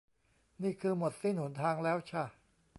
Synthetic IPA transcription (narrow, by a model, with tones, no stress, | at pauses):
niː˥˩kʰɯː˧mo˨˩t̪̚si˥˩nhu˩˦nt̪ʰaː˧ŋlɛː˦˥wt͡ɕʰa˥˩